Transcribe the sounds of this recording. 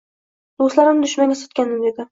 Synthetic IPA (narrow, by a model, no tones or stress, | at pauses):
d̪oslaɾɪnd̪ʊʃmaŋʲasɒ̥t̪̚kʲanɪmd̪ed̪ɪ